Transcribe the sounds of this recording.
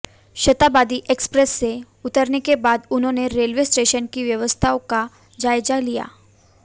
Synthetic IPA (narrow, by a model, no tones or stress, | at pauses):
ʃət̪abad̪iʔekspɾesːe | ʊt̪əɾnekebad̪ʊn̤ɦõneɾelʋesʈeʃənkiʋjəʋəst̪ʰaõka | d͡ʒajd͡ʒalija̰ː